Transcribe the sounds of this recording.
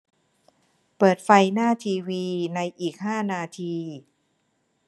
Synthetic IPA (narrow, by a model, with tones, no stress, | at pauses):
pɤː˨˩t̪̚fa˧jnaː˥˩t̪ʰiː˧wiː˧na˧jʔiː˨˩k̚haː˥˩naː˧t̪ʰiː˧